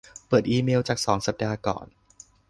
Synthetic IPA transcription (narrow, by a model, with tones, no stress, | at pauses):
pɤː˨˩t̪̚ʔiː˧meː˧wt͡ɕaː˨˩k̚sɔː˩˦ŋsa˧p̚daː˧kɔ̰ː˨˩n